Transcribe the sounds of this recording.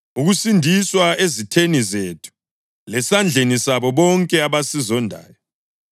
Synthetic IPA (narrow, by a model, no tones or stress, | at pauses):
uɣusindʱiswaezitʰenizeːtʰu̥ | lɛsand͡ɮʱenisaβɔβɔŋkʼɛaβasizɔndʱa̰ːjɔ